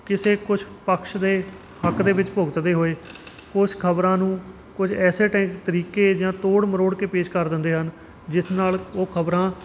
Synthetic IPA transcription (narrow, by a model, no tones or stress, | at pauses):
kɪseːkʊt͡ʃpəkʃd̪eː | həkd̪eːʋɪt͡ʃpʊɡət̪d̪eːɦoːeː | kʊt͡ʃʰkʰəbɾãːnũː | kʊd͡ʒʰɛːseːʈɛ̃ːkt̪əɾiːkeːd͡ʒãːt̪oːɽməɾoːɽkeːpeːʃkəɾd̪ɪ̃nd̪eːɦən | d͡ʒɪsnaːloːkʰəbɾãː